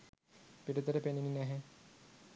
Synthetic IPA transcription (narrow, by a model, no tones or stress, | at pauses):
piʈut̪əɾəpenininæɦe